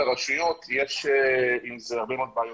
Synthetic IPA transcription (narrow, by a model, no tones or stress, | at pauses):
aʁaʃujo̞t̪jeʃeimzeaʁbemoːd̪̚baːjo